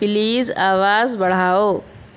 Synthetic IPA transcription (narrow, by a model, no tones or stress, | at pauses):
pɪliːza̰ːʋaːzbɐɽ̤aːoː